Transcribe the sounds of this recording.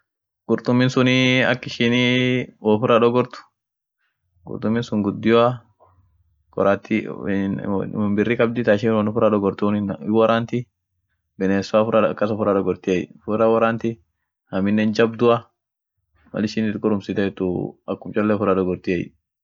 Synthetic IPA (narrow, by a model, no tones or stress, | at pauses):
ɡ̥ʊɾt̪ʼʊmːɪnsʊniɐ̰kːɪʃiniwɔfʊɾɐᶑɔɡɔɾt̪ʊ̥ | ɡʊ̰ɾt̪ʊmːɪnsʊŋɡʊd̪ːɪjɔa | kɔ̰ɾat̪ːi | bɪrːiːkʼɐbd̪ɪt̪aːɪʃɪwɐnʊfʊɾɐᶑɔɡɔɾt̪unɪwɐɾaːnt̪ɪ | bɛneːsʊafʊɾakːɐsɔfʊɾaᶑɔɡɔɾt̪ɪɛjfʊɾɐwɐɾaːnt̪ɪ | hɐmɪnːɛnd͡ʒɐbd̪ʊɐ | mɐ̰lɪʃɪnɪt̪kʼʊɾʊmsɪt̪ɐɛt̪ːʊɐkːʊmt͡ʃʼɔlːɛfʊɾɐᶑɔɡɔɾt̪ɪɛj̰